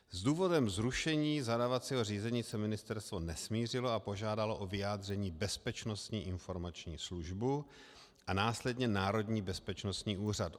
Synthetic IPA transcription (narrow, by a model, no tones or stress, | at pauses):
zduːvo̞dɛmzɾuʃɛɲiːzadaːvat͡siːɦoriːzɛɲiːsɛmɪnɪst̪ɛɾst̪vo̞nɛsmiːr̝ɪloapo̞ʒaːdalo̞ʔo̞vɪjaːd̪r̝ɛɲiːbɛspɛt͡ʃnost̪ɲiːʔɪnfo̞ɾmat͡ʃɲiːsluʒbu | ʔanaːslɛdɲɛnaːɾo̞dɲiːbɛspɛt͡ʃno̞st̪ɲiːʔuːr̝at